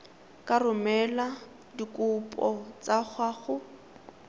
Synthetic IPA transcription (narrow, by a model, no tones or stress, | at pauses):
kʼarʊmɛla | dikʼupʼɔt͡sak͡xʰwaɣʊ